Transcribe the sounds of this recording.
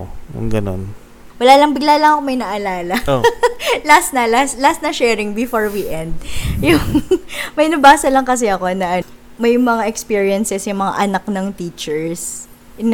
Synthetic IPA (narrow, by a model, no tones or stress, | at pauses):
jʊ̰ŋɡɐno̰n | wɐlaːlɐŋbɪɡlalɐŋɐkomɐjnɐʔɐlaːlɐ | last̪nɐlaslast̪nɐʃɛːɹɪŋbɪfoɹwiʔɛnd̪̚jʊŋmɐjnɐbaːsɐlɐŋkɐs̬ɛɐko̞nɐʔɐ | mɐjmɐŋaʔɛkspiːɹiɐnsɛsjʊŋmɐŋa̰ʔɐnak̚nɐŋt̪iːt͡ʃɛɹs